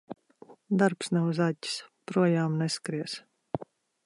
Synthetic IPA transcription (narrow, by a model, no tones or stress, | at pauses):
d̪aɾpsnɛwuzaɟʲi̥spɾuɔjaːmneskɾiɛs